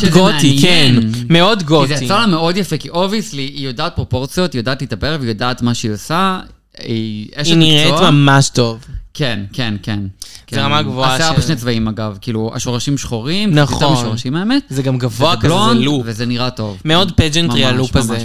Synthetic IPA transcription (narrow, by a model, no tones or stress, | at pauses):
ʃezɡoijkenmeodɡotzeialameodjafekiʔo̞viaslijo̞daːt̪̚pʁopo̞ʁt͡sijo̞t̪ijodaːtlitabeʁevjo̞daːt̪maʃeiosa | ieʃiniomamaʃto̞vkenkenkeneʁamaɡvoaaseaʁbeʃnet͡svaimaɡavkiːlua̰ʃo̞ʁaʃimʃχoʁimnatamʃoʁaʃimaemet̪zeɡamɡavoalonluvezeniʁato̞vmeodped͡ʒentmʁialuaze